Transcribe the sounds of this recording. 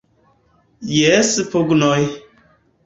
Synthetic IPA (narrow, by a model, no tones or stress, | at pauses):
jɛspoɡnɔj